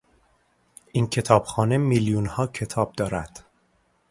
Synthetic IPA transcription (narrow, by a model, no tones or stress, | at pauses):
ʔincʰe̞t̪ʰɒːb̥xɒːne̞miljunhɒːcʰe̞t̪ʰɒːb̚d̪ɒːɾæd̪̥